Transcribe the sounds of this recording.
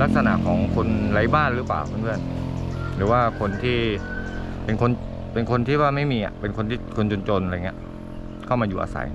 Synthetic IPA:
la˦˥k̚sa˧na̰˨˩ʔkʰɔː˩˦ŋkʰo˧nɾa˨˦jbaː˥˩nɾɯː˨˦paː˨˩wpʰɯ˥˩nbʰɯ˥˩ənɾɯː˩˦waː˥˩kʰo˧nt̪ʰiː˥˩ | pe˧nkʰo˧n | pe˧nkʰo˧nt̪ʰiː˥˩waː˥˩ma˥˩jmiː˧ʔa̰˨˩pe˧nkʰo˧nt̪ʰiː˥˩kʰo˧nt͡ɕo˧nt͡ɕo˧nʔa˧˨˩ŋi˦˥ | kʰa˥˩wmaː˧uː˨˩ʔa̰ː˧˩sa̰˩˦j

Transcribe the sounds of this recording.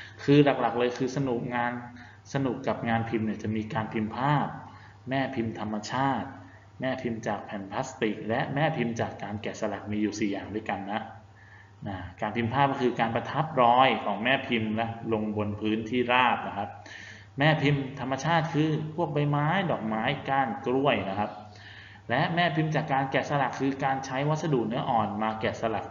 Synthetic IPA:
kʰɯː˧la˨˩k̚la˨˩k̚lɤː˧jkʰɯː˧sa˧nu˨˩k̚ŋaː˧n | sa˧nu˨˩kːa˨˩p̚ŋaː˧npʰi˧mni˥˩ət͡ɕa˨˩ʔmiː˧kaː˧npʰi˧mpʰaː˥˩p̚ | mɛː˥˩pʰi˧mt̪ʰa˧mːa˧t͡ɕʰaː˥˩t̪̚ | mɛː˥˩pʰi˧mt͡ɕaː˨˩k̚pʰɛː˨˩˦npʰla˦˥st̪i˨˩k̚lɛ˦˥ʔmɛː˥˩pʰi˧mt͡ɕaː˨˩kːaː˧nkɛː˨˩sa˧la˨˩k̚miː˧juː˨˩siː˨˩jaː˨˩ŋdu˥˩jka˧nːa˦˥ʔ | na˧˩kaː˧npʰi˧mpʰaː˥˩p̚kɔ˥˩kʰɯː˧kaː˧npa˧t̪ʰa˦˥p̚ɾɔː˦˥jkʰɔː˩˦ŋmɛː˥˩pʰi˧mlɛ˦˥ʔlo˧ŋbo˧npʰɯː˦˥nt̪ʰiː˥˩ɾaː˥˩p̚na˦˥kʰa˦˥p̚ | mɛː˥˩pʰi˧mt̪ʰa˧mːa˧t͡ɕʰaː˥˩t̪̚kʰɯː˧pʰu˥˩ək̚ba˧jmaː˦˥jdɔː˨˩k̚maː˦˥jkaː˥˩nkɾu˥˩əjna˦˥kʰa˦˥p̚ | lɛ˦˥ʔmɛː˥˩pʰi˧mt͡ɕaː˨˩kːaː˧nkɛː˨˩t̪sa˧la˨˩kʰːɯː˧kaː˧nt͡ɕʰa˦˥jwa˦˥t̪̚sa˧duː˨˩k̚nɯ˦˥ɐʔɔː˨˩nmaː˧kɛː˨˩t̪̚sa˧la˨˩k̚

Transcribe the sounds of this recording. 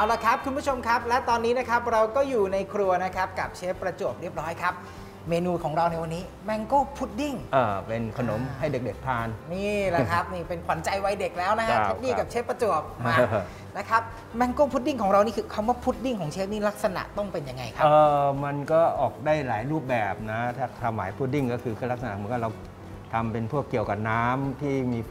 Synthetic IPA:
a˨˩la˨˩kʰɾa˦˥p̚kʰu˧nbʰu˥˩t͡ɕʰo˧mkʰa˦˥p̚lɛ˦˥t̪ɔː˧nːiː˦˥na˦˥kʰa˦˥p̚ɾa˧wkɔː˥˩juː˨˩na˧jkʰɾu˧ɐna˦˥kʰa˦˥p̚ka˨˩p̚t͡ɕʰeː˦˥pːɾa˧t͡ɕu˨˩əp̚ɾi˥˩əp̚ɾɔː˦˥jkʰa˦˥p̚ | meː˧nuː˧kʰɔː˩˦ŋɾa˧wna˧jwa˧nːiː˦˥ | mɛ˧ŋkoː˥˩pʰu˦˥t̪̚di˥˩ŋʔaː˧˩pe˧nkʰa˧no̰˩˦mɦa˥˩jde˨˩k̚de˨˩k̚pʰaː˧nniː˥˩la˨˦kʰa˦˥p̚niː˥˩pe˧npʰa˩˦nt͡ɕa˧jwa˧jde˨˩k̚lɛː˦˥wna˦˥kʰt͡ɕʰe˦˥p̚diː˥˩ka˨˩p̚t͡ɕʰeː˦˥pːɾa˧t͡ɕu˨˩əp̚ | na˦˥kʰɾa˦˥p̚ | mɛ˧˥ŋkoː˥˩pʰu˦˥t̪̚di˥˩ŋkʰɔː˩˦ŋɾa˧wniː˥˩kʰɯː˧kʰa˧mwaː˥˩pʰuː˦˥t̪̚di˥˩ŋkʰɔː˩˦ŋt͡ɕʰeː˦˥t̚niː˥˩la˦˥k̚sa˧na̰˨˩ʔt̪ɔ˥˩ŋpe˧nja˧ŋːa˧jkʰa˦ɤː˨˧˩ma˧nkɔː˥˩ʔɔː˨˩k̚daː˥˩jlaː˩˦jɾuː˥˩p̚bɛː˨˩p̚na˦˥t̪ʰaː˥˩t̪ʰa˧mːlaː˩˦jpʰuː˥˩t̪̚i˥˩ŋkɔː˥˩kʰɯː˧kʰɯ˧˥˩la˦˥k̚sa˧na˨˩ma˧nkɔ˥˩ɾa˧w | t̪ʰa˧mpe˧npʰuː˥˩əkːi˨˩əwka˨˩p̚naː˦˥mt̪ʰiː˥˩miː˧

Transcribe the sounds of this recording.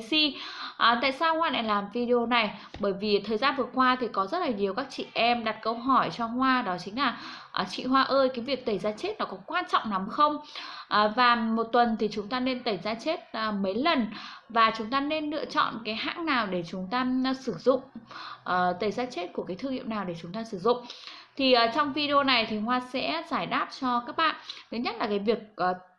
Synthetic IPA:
si˧ʔt̪a̰ː˧˨jsaː˧whwaː˧na̰˨˩laː˨˩mvi˧ɗi˧o˧na˨˩jɓəː˧˩jvi˨˩t̪ʰəː˨˩jzaː˧nvɨ˨˩əkwaː˧t̪ʰi˨˩kɔ˨˦zə˦˥t̚laː˨˩ɲi˨˩əwkaː˦˥k̚t͡ɕḭ˧˨ʔɛ˧mɗa˨˩t̚kə˧wɦɔ˧˩jt͡ɕɔ˧hwaː˧ɗɔ˨˦t͡ɕï˨˦ŋ̟laː˨˩ʔt͡ɕḭ˧˨ɦwaː˧ʔəː˧jkaː˨˦vi˨˩ək̚t̪ə˧˩jzaː˧t͡ɕe˦˥t̚nɔ˨˦kɔ˨˦kwaː˧nt͡ɕɔ̰˧˨wŋ͡mna˨˦mxə˧wŋ͡mʔvaː˨˩mo˨˩t̚t̪wə˨˩nt̪ʰi˨˩t͡ɕʊ˨˦ŋ͡mt̪aː˧ne˧nt̪ə˧˩jzaː˧t͡ɕe˦˥t̚ːmə˨˦jlə˨˩nvaː˨˩t͡ɕʊ˨˦ŋ͡mt̪aː˧ne˧nlɨ̰˧˨ət͡ɕɔ̰˧˨nkaː˨˦jha̰ː˧˥ŋnaː˨˩wɗe˧˩t͡ɕʊ˨˦ŋ͡mt̪aː˧sɨ˧˩zʊ̰˧˨ŋ͡mʔːt̪ə˧˩jzaː˧t͡ɕe˦˥t̚ku˧˩əkaː˨˦jt̪ʰɨ˧ŋhḭ˧ənaː˨˩wɗe˧˩t͡ɕʊ˨˦ŋ͡mt̪aː˧sɨ˧˩zʊ̰˧˨ŋ͡mt̪ʰi˨˩ʔːt͡ɕɔ˧wŋ͡mvi˧ɗe˧o˧na˨˩jt̪ʰi˨˩hwaː˧sɛ̰˧˥zaː˧˩jɗaː˦˥p̚t͡ɕɔ˧kaː˦˥k̚ɓa̰ː˧˨nt̪ʰɨ˨˦ɲə˦˥t̚laː˨˩kaː˨˦jvi˨˩ək̚ʔ

